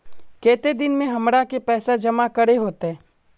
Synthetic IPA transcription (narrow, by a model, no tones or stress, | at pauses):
kɛːt̪ed̪ɪnmẽɦɐmɾakepɛːsad͡ʒɐmakɐɾeɦoːt̪eɦɛː